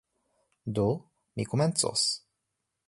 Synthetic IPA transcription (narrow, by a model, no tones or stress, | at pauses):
d̪o | mikumɛnt̪so̰s